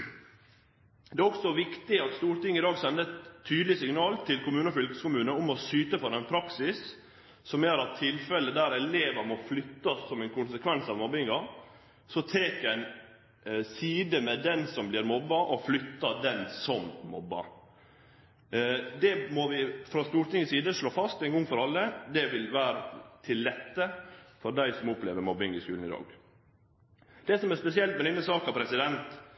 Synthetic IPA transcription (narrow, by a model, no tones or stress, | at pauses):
d̪ɛæːɔksɔʋɪkt̪ɪɑt̪st̪uːɾʈ̪ɪŋːɪd̪ɑːɡsɛnd̪əɛt̪ʰːyːd̪lɪsɪŋnɑːlt̪ʰɪlkʊmʉːnəɔfʏlkə̥skʊmʉːnəɔmɔsyːt̪əfɔɾɛnpʰɾɑksɪs | sɔmjæːɾɑt̪ʰːɪlfɛlːəd̪æːɾɛleːʋəɾmɔflʏt̪ːɑsːɔmɛɪnkʰʊnsəkʰʋɛnsɑʋmɔbːɪŋɑ | sɔt̪ʰɾeːkɛɪn | siːd̪əmɛd̪ɛnsɔmblɪɾmɔbːɑʔɔflʏt̪ːɑd̪ɛnsɔmmɔbːɑ̰ɾ | d̪ɛmɔʋɪfɾɑst̪uːɾʈ̪ɪŋəsiːd̪əʂɭoːfɑst̪ɛɪŋɡɔŋfɔɾɑlːəd̪ɛʋɪlʋæːɾət̪ʰɪlːɛt̪ːəfɔɾɖ̪æɪsɔmʊpleːʋəɾmɔbɪŋɪskʉ̰ːln̩ɪd̪ɑ̰ːɡ | d̪̥ɛsɔmɛɾspɛsɪɛlt̪mɛnɪnːəsɑːkɑʋpʰɾɛsɪd̪ɛnt̪